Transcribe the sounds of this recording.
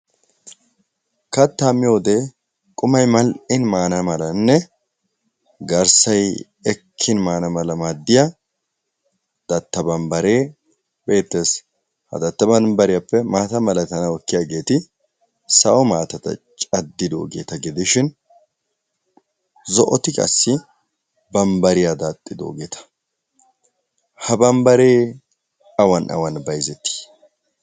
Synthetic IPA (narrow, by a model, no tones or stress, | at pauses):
kɐt̪ːaːmːɪjoːd̪e̞ː | kʼʊmɐjmɐlʔɪnmaːnɐmɐlɐnːɛ | ɡɐɾsɐj | ɛkʰːɪnmaːnɐmɐlɐmaːd̪ːɪjɐ | d̪̥ɐt̪ːɐbɐnbɐɾe̞ː | be̞ːt̪ːe̞ːs | hɐ̰d̪ɐt̪ːɐbɐnbɐɾɪjɐpːɛmaːt̪ɐmɐlɐt̪ɐnɐwɔkːɪjaɡe̞ːt̪ɪ | sɐʔɔmaːt̪ɐt̪ɐ̰t͡ʃʼɐd̪ːɪd̪o̰ːɡḛːt̪ɐɡɛd̪ɪʃɪn | zɔʔɔt̪ɪkʼɐ̰sːɪ | bɐmbɐɾɪjad̪at̪ʼːɪd̪o̰ːɡeːt̪ʰɐ̥ | hɐbɐmbɐɾeː | ɐwɐnʔɐ̰wɐnbɐjzɛt̪ːi̥